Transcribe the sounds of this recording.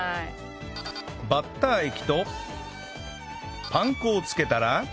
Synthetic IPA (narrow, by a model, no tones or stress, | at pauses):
bat̪ːaikʲi̥t̪o̞ | pãŋkoːt͡sɨ̥ke̞t̪aɾa